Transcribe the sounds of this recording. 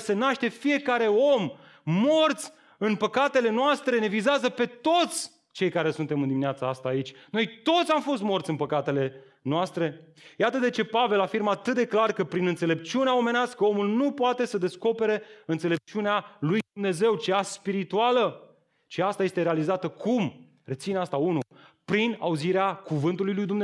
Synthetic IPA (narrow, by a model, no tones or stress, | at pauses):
se̞naʃt̪e̞fije̞kaɾe̞o̞mː | o̞rt̪sʲ | ɨnpəkat̪e̞le̞noast̪ɾe̞ne̞vizeazəpe̞t̪o̞t̪sʲ | t͡ʃe̞jkaɾe̞sunt̪e̞mɨnd̪iminʲat̪saast̪aːit͡ʃʲno̞jt̪o̞t̪sʲamfo̞st̪mo̞rt̪sɨnpəkat̪e̞le̞ | noast̪ɾe̞jat̪əd̪e̞t͡ʃe̞pave̞lafirməat̪ɨt̪̚d̪e̞klarkəpɾinɨnt̪se̞le̞p̚t͡ʃiuneaome̞neast̪kəo̞mulnupoat̪e̞səd̪e̞sko̞pe̞ɾe̞ɨnt̪se̞le̞p̚t͡ʃiunealujd̪umne̞ze̞wt͡ʃeaspiɾit̪ualə | ʃiast̪aje̞st̪e̞ɾealizat̪əkʰum | re̞t̪sineast̪aunupɾina̰uziɾeakuvɨnt̪ulujlujd̪umne